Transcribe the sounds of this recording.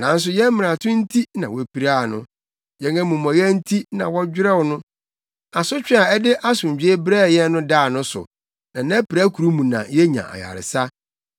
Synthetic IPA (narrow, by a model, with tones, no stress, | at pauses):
nã˨˦n̩˦s̬ʊ˨jɛ̃˦m̩˦mɪ̃˨ã˨tʰʊ̃˦n̩˦tʰi˦nã˨wɔ˦pi˨ɾaː˦˨nʊ̃˦ | jɛ̃˨˦ŋkɛ˦mũ˨m˨ɔ̃˨jɛ˦n̩˦tʰi˦nã˨wɔ˦d͡ʑᶣɪ˦ɾɛ˦wɔ˨nʊ̃˦ | a˨sʊ˦t͡ɕᶣɛ˦a˨ɛ˦dɪ˦ʔa˦sʊ̃˨m˨d͡ʑᶣi˦e˦bɾɛ˦˨jɛ˦nʊ̃˦da˦˨nʊ̃˦sʊ̰˨ | nã˨nã˦pɾa˦kʰu˨ɾu˦mũ˨nã̰˨jɛ˦ɲã̰˨ʔa̰˨ja̰˨ɾɪ̰˨sa˦